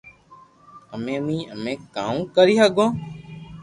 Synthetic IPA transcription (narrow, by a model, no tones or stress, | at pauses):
əmẽːmĩːəmẽːkaːũːkəɾiːɦəɡõː